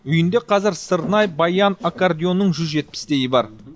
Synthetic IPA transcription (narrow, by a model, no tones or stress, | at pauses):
ʏjɪnd̪e̞qʰɑzɪɾsəɾnɑjbɑjɑnakard̪ʲijo̞nːəɴʒʏzʒe̞t̪̚pɪ̥sd̪e̞jɪbɑ̰ɾ